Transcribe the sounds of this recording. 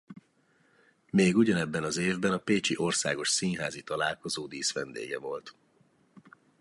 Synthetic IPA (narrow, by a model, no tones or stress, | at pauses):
meːɡuɟɒnɛbːɛnɒzeːvbɛnɒpeːt͡ʃiʔo̞rsa̰ːɡo̞ʃsinɦaːzit̪ɒlaːlko̞zoːd̪iːsʋɛnd̪ḛːɡɛ̰vo̞lt̪